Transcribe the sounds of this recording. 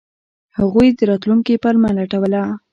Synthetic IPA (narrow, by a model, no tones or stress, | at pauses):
haɣujd̪əɾɑt̪luŋkipalmalaʈawəla